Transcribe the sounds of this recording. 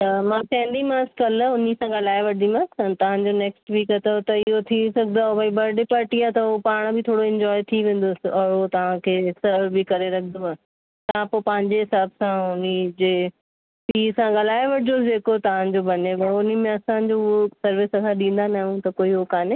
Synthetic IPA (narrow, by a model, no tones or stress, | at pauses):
t̪ɐmãːkɛ̃ːnd̪imãːskɐlʊnisãɡɐlaːeʋɐɽdĩmãə̃nt̪ɐʋ̤ãɲd͡ʑoneːksʈʋiːkət̪ɐt̪ɐɪɦot̪ʰisɐɡnd̪aːɦobʱaːibɐɾɖɪpaːɾʈiaːt̪ɐopaːɽ̃bʱɪt̪ʰoːɽoɪ̃ɲd͡ʑɔːɪt̪ʰiʋẽːn̆d̪oːsɪɔːɾɦot̪ɐʋ̤ãkʰeːsɐɾbʱikɐɾeɾɐkʰənd̪oaː | t̪ɐʋãpoːpɐ̃ɦɪ̃ɲd͡ʑeɦɪsaːbsãʊnid͡ʑeː | siːsãɡɐlaːeʋɐɽd͡ʑod͡ʑeːkot̪ɐʋ̤ãd͡ʑobɐnebɐɽʊnimẽɐsãd͡ʑoʊɦosɐɾʋɪskʰãɗĩːnd̪anaɦũt̪ɐkoːiɦokaːne